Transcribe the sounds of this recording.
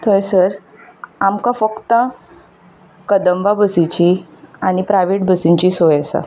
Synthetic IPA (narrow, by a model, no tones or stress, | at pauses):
t̪ʰəjsəɾ | amkafəkt̪ə | kəd̪əmʋabəsit͡ɕiaɽ̃ipɾajʋeʈbəsiɲt͡ɕisojasa̰